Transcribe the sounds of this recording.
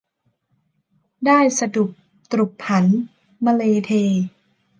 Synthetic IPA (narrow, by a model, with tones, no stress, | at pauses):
daː˥˩jsa˧du˨˩k̚ | t̪ɾu˨˩k̚ʰa˩˦n | maː˧leː˧t̪ʰeː˧